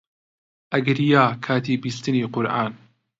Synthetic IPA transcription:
ʔɐɡɾijaːkʰaːt̪iːbiːst̪ɨniːqʊɾʔa̰ːn

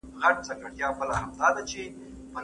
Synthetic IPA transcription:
ɣaʈ̚t͡sakaʈjɑbəlahamd̪ɑd̪at͡ʃe | pən

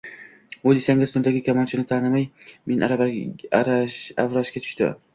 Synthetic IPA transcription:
ojd̪esaŋʲɪzt̪ʰʊnd̪aɡʲɪkʲʰamɒnt͡ʃʰɪnɪt̪ʰanɪmajmenaɾa | avɾaʃkʲat̪ʰʊ̥ʃt̪ɪ̰

